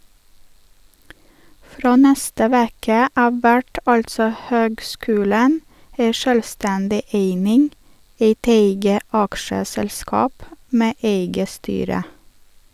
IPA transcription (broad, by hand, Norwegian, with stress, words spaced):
ˈfɾoː ˈnɛstə ˈʋeːkə ˈɑːʋ ˈʋæʈ ˈɑltsɔ ˈhøːɡˌskʉːlən ˈæɪ ˈʃøːlˌstɛndɪ ˈeɪnɪŋ ˈeɪt ˈeɪɡə ˈɑkʃəsɛlˌskɑːp ˈmeː ˈʔeɪɡə ˈstyːɾə